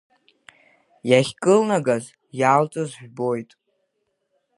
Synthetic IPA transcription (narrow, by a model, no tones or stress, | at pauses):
jaχʲkʼɨlnaɡaz | jaːlt͡sʼɨzʒᶣʷbo̞jtʼ